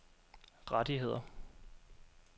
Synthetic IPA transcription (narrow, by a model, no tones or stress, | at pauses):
ʁɑd̥iɦe̝ð̞̰ˠɐ